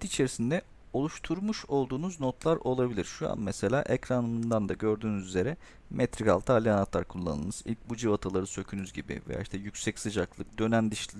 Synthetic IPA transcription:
t̪it͡ʃʰe̞ɾisind̪ɛ | o̞lˠuʃt̪ʰuɾmuʃo̞lˠd̪uːnuzno̞t̪ʰlˠaɾo̞lˠabilʲiɾʃua̰nmɛse̞lʲa̰ːʔecɾanɯmnd̪and̪aɟø̞ɾd̪yːnyzyze̞ɾɛ | mʔɛt̪ʰɾika̰lˠt̪ʰalʲːianat̪lˠaɾkʰulˠːa̰nɯ̰lˠnɯzḭlʲc̚bud͡ʒivat̪ʰalˠaɾɯsø̞cʰynyzɟibḭvḛja̰ːiʃt̪ʰɛjycʲsɛcsɯd͡ʒaklˠɯk̚d̪ø̞nænd̪ɯʃʲ

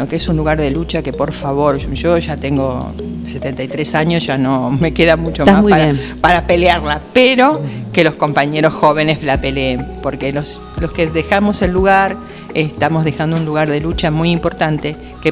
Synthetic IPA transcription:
okeesunluɣaɾðe̞lut͡ʃake̞po̞ɾfaβo̞ɾʒoʒat̪e̞ŋɡo̞̰ | se̞t̪ent̪ajt̪ɾe̞saɲosʒ̥anome̞keðamut͡ʃomamuaɾaepaɾape̞leaɾlapeɾo̞ke̞lo̞sko̞mpaɲeɾo̞sxo̞βe̞nezlape̞leempo̞ɾkelos | lo̞skeðexamo̞selːuɣaɾ | est̪amo̞zðexand̪ounluɣaɾðe̞lut͡ʃamujimpo̞ɾt̪ant̪e̞ | ke

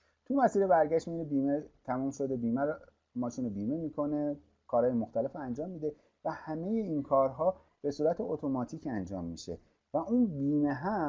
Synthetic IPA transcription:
t̪ʰumæsiːɾebæɾɟæʃt̪mijunebiːmet̪ʰæmuːmʃo̞d̪e̞biːmæɾ | mɒːʃiːnobiːme̞miːkʰo̞ne̞ | kʰɒːɾhɒːjemo̞xt̪æle̞foænd͡ʒɒːmːiːd̪e̞ | væhæme̞je̞inkʰɒːɾɦɒː | b̥e̞suːɾæt̪ʰeot̪ʰo̞mɒːt̪ʰiːcænd͡ʒɒ̰ːmːḭʃe̞̰ | væuːnbiːmeɦæ

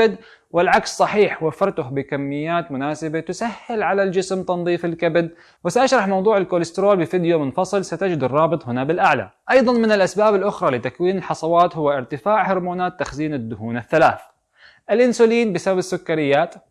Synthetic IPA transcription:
ɪd̪ | wɪlʕakssˤɑħiːħwafːɑɾt̪ʊhbɪkamːɪjːaːt̪mʊnaːsɪbat̪ʊsahːɪlʕalald͡ʒɪsmt̪ɑnðˤiːfɪlkabɪd̪ | wɪsaʔaʃɾˤɑħmɑwðˤuːʕɪlkoːlɪst̪ɪɾoːlbɪfiːd̪jomʊnfɑsˤɨlsat̪ad͡ʒɪd̪ɪrˤːɑːbɨt̪ˤɦɪnabɪlʔaʕla̰ʔɑjðˤɑnmɪnɪlʔasbaːbɪlʔʊxɾˤɑlɪt̪akwiːnɪlħɑsˤɑwɑːt̪hʊwːaʔɪɾt̪ɪfaːʕhɪɾmoːnaːt̪ːaxziːnad̪ːʊhuːnaθːala̰ːθ | ʔɪlʔɪnsʊliːnbɪsababɪsːʊkːaɾɪjːaːt̪

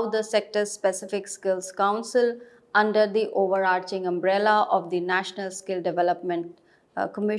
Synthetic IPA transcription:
ʊd̪əsek̚ʈəɾspɛsɪfɪkskɪlzkãʊ̃nsɪl | ʌ̃ɳɖəɾd̪iʔoːʋəɾaːɾt͡ʃɪ̃ŋɐ̃mbɾɛlaʔɔʋd̪inæʃnəlskɪlɖɪʋɛləpmɛ̃ɳʈ̚ | kəmɪ

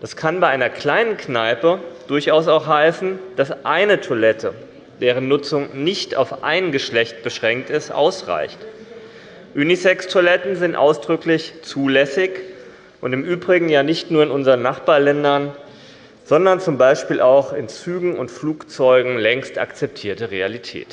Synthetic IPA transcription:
d̥askʰanbaɪʔaɪnɐkl̥aɪnənkʰnaɪpəd̥ʊɐçaʊs̬aʊxhaɪsn̩d̥asʔaɪnətʰoɐlɛtʰə | d̥eːʁ̞ənːʊt͡sʊŋnɪçta̰ʊfʔa̰ɪnɡəʃlɛçt̚b̥əʃʁ̥ɛŋk̚tɪstʔa̰ʊsʁa̰ɪçt | ʔynisɛkstʰoɐlɛtn̩zɪntʔa̰ʊsd̥ʁʏklɪçt͡suːlɛsɪç | ʔʊntɪmʔyːbʁɪɡŋ̩jaːnɪçtnuːɐɪnʊnzəʁənːaχb̥aːɐlɛndɐn | z̥ɔndɐnt͡sʊmbaɪʃpiːlʔaʊxɪnt͡syːɡŋ̩ʊntfluːkt͡sɔʏɡŋ̩lɛŋsta̰kt͡sɛp̚tʰiːɐtəʁea̰litʰɛ̰ːt

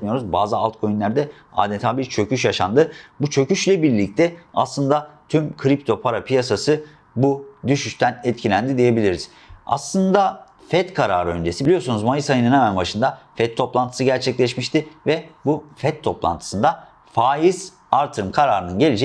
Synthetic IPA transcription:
mijo̞ɾuzbaːzɯalˠt̪̚kʰo̞jyinlʲæɾd̪ɛ | a̰ːd̪ɛnt̪ʰaːbiɾt͡ʃʰø̞cyʃjaʃa̰nd̪ɯbut͡ʃʰø̞cyʃlʲɛbiɾlʲic̚t̪ʰɛa̰slˠɯnd̪at̪ʰymkʰɾip̚t̪ʰo̞pʰaɾapʰijasasɯ | bud̪yʃyʃt̪ʰænɛt̪cʰilʲænd̪id̪ije̞bilʲiɾiz̥ | a̰slˠɯnd̪a | fɛt̪kʰaɾaːɾɯø̞̰nd͡ʒe̞sibilʲijosunuzmajɯsajɯnɯnhɛmænbaʃɯnd̪afɛt̪ʰːo̞plˠant̪ʰɯ̥sɯɟæɾt͡ʃʰɛclʲɛʃmiʃt̪ɪvɛbufɛt̪ʰːo̞plˠa̰nt̪ʰɯ̥sɯnd̪a | faːjiz̥ | aɾt̪ʰɯɾɯmkʰaɾaːɾɯnɯnɟe̞lʲid͡ʒɛ

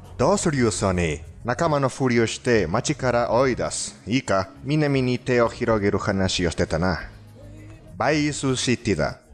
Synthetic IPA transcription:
d̪̥oːsɨɾjosoninakamanoɸɯɾioɕi̥t̪e̞mat͡ʃikaɾaʔoid̪asɨ̥ikaminamʲiɲit̪e̞oçiɾoɡeɾɯ̟hanaɕioɕi̥t̪et̪ana | baisɨɕit̪ːid̪a̰

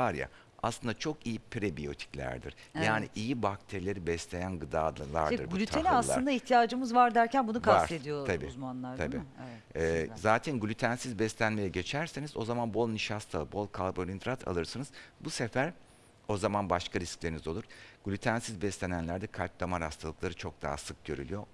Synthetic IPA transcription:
vaɾja̰ | a̰slˠɯnd̪at͡ʃʰo̞kijipʰɾebijo̞̰t̪ʰi̥clʲæ̰ɾd̪ḭɾ̥jaːnḭʔijibak̚t̪ʰeɾilʲe̞ɾibɛslʲe̞jænɡɯd̪a̰ːd̪lˠa̰ɾd̪ɯ̰ɾbɡulʲyt̪ʰeniasl̰ˠɯɾnd̪aiçt̪ʰijaːd͡ʒɯmɯzvaɾd̪æɾcʰænbunukʰasaɾt̪ed̪ijoabḭːuzmanlˠaɾd̪ʰaḭːɛzaːt̪ʰænɡlʲyt̪ʰænsizbɛslʲænme̞jɛɟe̞t͡ʃʰæɾsenizo̞zamanbo̞lˠniʃast̪ʰabo̞lˠkʰalˠbolʲind̪ɾat̪ʰa̰lˠɯɾsɯnɯzbusefæɾ | o̞zamanbaʃkʰaɾisclʲeɾinizo̞lˠuɾ̥ɡ̥ulʲyt̪ʰænsizbɛslʲenænlʲæɾd̪ɛkʰalʲp̚t̪ʰˠamaɾast̪ʰalˠɯklˠaɾɯt͡ʃʰo̞k̚d̪a̰ɦa̰sɯk̚ɟøɾy̰lʲyjo̞

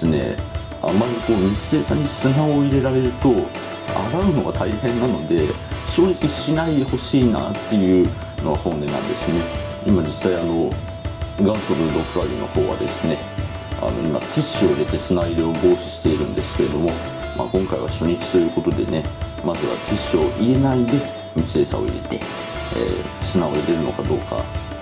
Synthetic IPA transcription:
sɨne̞̰ | a̰maɾʲiko̞ːɲit͡ɕi̥se̞ːsã̰ɲ̟ːisɨnaoiɾe̞ɾaɾe̞ɾɯ̟t̪o̞ | a̰ɾaɯ̟no̞ɡat̪ʰaihẽ̞nːano̞d̪e̞ | ɕo̞ːʑikʲiɕinaid̪eho̞ɕiːna̰ːt̪ːe̞jɯ̟ː | no̞ɡahõ̞nd̪e̞nã̰nd̪e̞sɨne̞ | imad͡ʑisːaiano̞ | ɡãɰ̃soɾod̪o̞kkaɾʲḭnʔo̞̰ho̞̰ːβa̰d̪e̞̰sɨ̥ne̞ | a̰no̞̰ima̰t̪ʰeɕːio̞iɾe̞t̪e̞sɨnaiɾeoɡo̞ːɕi̥ɕi̥t̪e̞iɾɯ̟̃nd̪e̞sɨ̥ke̞ɾe̞d̪o̞mo̞ | mʔa̰ːkõ̞ŋkaḭβa̰ɕo̞ɲ̟it͡ɕi̥t̪o̞jɯ̟ːko̞t̪o̞d̪e̞ne̞ | mazɨβa̰t̪ʰeɕo̞ʔie̞naid̪e̞ | mit͡sɨe̞ːsa̰o̞̰ḭɾe̞̰t̪e̞̰ | ḛsɨnaoɾed̪e̞ɾɯno̞̰kad̪o̞̰ːka̰

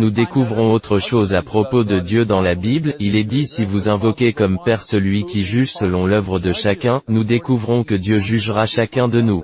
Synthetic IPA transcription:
nud̪ekuvʁɔ̃ot̪χəʃozapχɔpod̪əd̪jød̪ɑ̃labiblilɛd̪isivuzɛ̃vɔkʲekɔmpɛʁsəlɥikʲiʒyʒsəlɔ̃lœvʁəd̪əʃakʲɛ̃nud̪ekuvʁɔ̃kəd̪jøʒyʒʁaʃakʲɛ̃d̪ənu

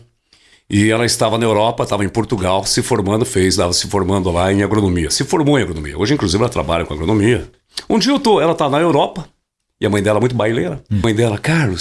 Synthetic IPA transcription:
ɪɛlɐɪst̪avɐnɐewɾɔpɐt̪avɐẽj̃poɾt̪uɡawsɪfoɾmɐ̃nd̪ʊfejst̪avɐsɪ̥foɾmɐ̃nd̪ʊlaẽj̃aɡɾonomiɐsɪfoɾmoẽaɡɾonõ̰mḭɐ̰oʒɪĩkluzivɪɛlɐt̪ɾa̰baʎɐkõa̰ɡɾonõmiɐ | ũd͡ʒiot̪oɛlɐt̪avɐnɐewɾɔpɐ | ɪɐmɐ̃j̃d̪ɛlɐɛmũj̃t̪ʊbailejɾɐmɐ̃j̃d̪ɛlɐkaɾlʊs

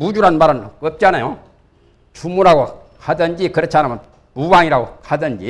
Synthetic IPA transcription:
bud͡ʒuɾanbaɾanokəp̚t͡ɕanajo | t͡ʃʰumuɾaɡo | kʰadənd͡ʑikɯɾet͡ɕʰanaman | pubaŋiɾaɡokʰadənd͡ʑi

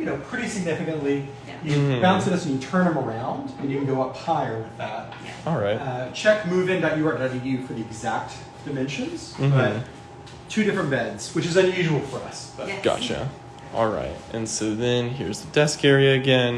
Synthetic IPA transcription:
jɨnoʊpʰɹ̥ɪɾisɨɡ̚nɪfɨkɨ̃nʔli | jɨb̥ãʊ̃nsɨ̃ɾsɨ̃njɨtʰɜ̃˞nɨ̃mə˞ãʊ̃ndɨ̃njɨṽn̩ɡoʊʌphaɪə˞wɨðæt̚ | ɔlˠɹaɪtʌt͡ʃʰɛk̚mʉvɪ̃ŋðɨt͡ʃɨwəɾnɨðɨjʉfə˞ðiɨɡzæk̚t | d̥ɨmɛ̃nʃɨ̃nz̥̩b̥ʌt̚ | tʰʉɾɪfɹɨ̃nb̥ɛ̃dz̥wɨt͡ʃɨzɨ̃njʉʒəwl̩ˠfə˞ʌ̰sb̥ʌɡ̥ɑ̰t͡ʃæ̰ | ʔɔ̰lˠɹa̰ɪt̚ʔɨ̃nsoʊðɨ̃nɦɪ̰ɹzðədɛskɛɹiɨɨɡɛ̃n

